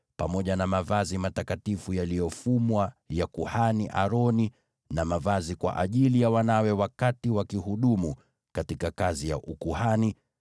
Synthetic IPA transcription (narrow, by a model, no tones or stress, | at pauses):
pamɔʄanamavazimatakatifujalijɔfumwajakuhaniʔaɾɔni | namavazikwa̰ʔa̰ʄilijawanawɛwakatiwakihuɗumu | katikakazija̰ʔukuhani